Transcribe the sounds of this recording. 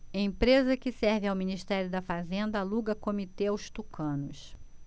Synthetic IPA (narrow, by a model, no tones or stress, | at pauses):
ẽj̃pɾezɐkɪsɛɾvɪawminiʃt̪ɛɾjʊd̪ɐfazẽnd̪ɐaluɡɐkomit̪eawst̪ukʰɐ̃nʊs